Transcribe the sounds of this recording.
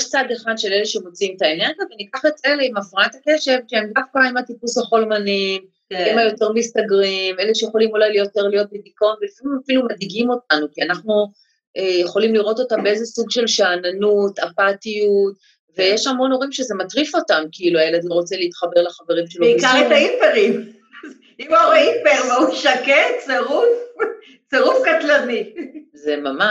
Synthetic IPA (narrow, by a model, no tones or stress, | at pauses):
jeʃt͡sad̪eχad̪ʃeleleʃemot͡simt̪aene̞ʁɡjavenikaχeteleimafʁanatake̞ʃe̞vʃeemdafkaimatipushaχo̞lmanim | imajo̞t̪e̞ʁbst̪aɡʁimeleʃejeχolimulajlijo̞teʁlijo̞t̚bidiko̞nvelifamimafilumadiɡimo̞t̚anukianaχnu | ejeχo̞limliʁo̞to̞tambeezesuɡʃe̞lʃaːnanutapatijut | ve̞jeʃamo̞no̞ʁimʃezematʁifo̞tamkiiluajelad̪lo̞ʁot͡seliitχabeʁlaχaveʁimʃeloikaʁetaipeʁim | z | imaaipeʁvauʃaket͡seʁuf | t͡seʁufkat̪lanizemama